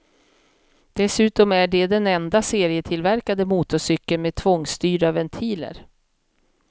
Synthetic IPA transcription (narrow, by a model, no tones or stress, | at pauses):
d̪̥ɛsʉ̟ːt̪ɔmæɖɛd̪ɛnɛnd̪aseːɾɪət̪ʰɪlvæɾkad̪əmuːt̪ɔʂʏkːəlmeːt̪ʰvɔŋst̪yːɾavɛnt̪ʰiːlə̰ɾ